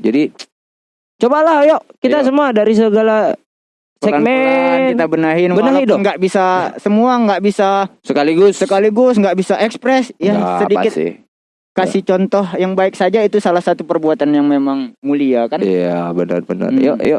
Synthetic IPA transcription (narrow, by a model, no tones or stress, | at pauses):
d͡ʒadi | t͡ʃobalahjɔʔkit̪as̬əmuadaɾis̬əɡala | ɛamɛnkit̪abənaɦɪnbənaɦdŋɡaʔbisasəmuaŋɡaʔbisasəkaliɡʊssəkaliɡʊsŋɡaʔbisaʔɛkspɾɛsjasədiakɪt̪ɪ̰ | kasit͡ʃɔnt̪ɔɦjaŋbaɪk̚sad͡ʒait̪usalahsat̪upərbuat̪anjaŋmemaŋmuliakanijabənə̰rbənə̰rjo̰ʔjo̰ʔ